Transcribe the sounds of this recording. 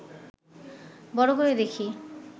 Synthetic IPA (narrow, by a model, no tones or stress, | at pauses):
bɔɽoɦoed̪ekʰi